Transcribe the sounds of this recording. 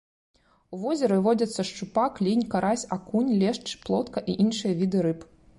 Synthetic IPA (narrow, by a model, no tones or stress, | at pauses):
uvɔzʲɐɾɨvɔd͡zʲɐt̪sːɐʂt͡ʂupaklʲinʲkaɾasʲakunʲlʲɛʂt͡ʂplˠɔt̪kɐʔiʔinʂɨjɐvʲid̪ɨɾɨp